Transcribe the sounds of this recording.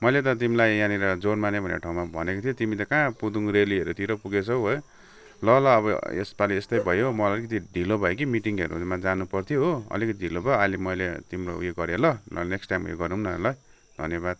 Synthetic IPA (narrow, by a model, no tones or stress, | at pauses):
mʌjlet̪̬ʌt̪̬imilajjãniɾʌd͡zoɽmanebʱʌnḛḛʈʰaw̃mabʱʌ̰nekot̪ʰjot̪imit̪ʌkãpud̪uŋɾeliʌɾut̪ʰiɾʌpuɡet͡sʰʌwbʱʌ | lʌlʌːβʌ̰ḛspaliest̪ʌjbʱʌjomʌlikʌt̪̬iɖʱilobʱʌjek̬imiʈiŋɦḛɾṵmad͡zanupʌrt̪ʰjoɦoʌ̰likʌt̪idʱilobʱʌjalimʌjlet̪imɾʌṵjeɡʌɾjelʌl̰neksʈajmṵjḛɡʌɾnuunʌḛlʌ | d̪ʱʌ̰njʌbad̪̚